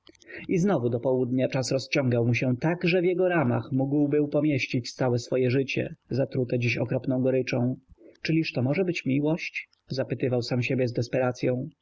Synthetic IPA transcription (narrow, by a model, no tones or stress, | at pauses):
iznɔvud̪ɔpɔwud̪ɲat͡ʂasɾɔst͡ɕɔ̃ŋɡawmuɕɛt̪aɡʐɛvʲjɛɡɔɾama̰xmuɡwbɘwpɔmʲjeɕt͡ɕit͡ɕst̪sawɛsfɔjɛʐɘt͡ɕɛ̰zat̪ɾut̪ɛd͡ʑiɕɔkɾɔpnɔ̃w̃ɡɔɾɘt͡ʂɔ̃w̃t͡ʂɘlʲiʂt̪ɔmɔʐɛbɘt͡ɕmʲiwɔɕt͡ɕ | zapɘt̪ɘvawsamɕebʲjɛzd̪ɛspɛɾat̪sʲjɔ̃w̃